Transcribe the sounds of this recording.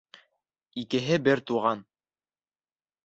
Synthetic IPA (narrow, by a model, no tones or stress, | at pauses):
ikɘ̆ɦɘbɘɾt̪uʁɑn